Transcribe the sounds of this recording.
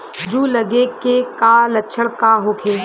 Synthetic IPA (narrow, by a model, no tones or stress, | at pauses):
d͡ʒuːlɐɡekekaːlɐt͡ʃʰəɽkaːɦoːkʰeː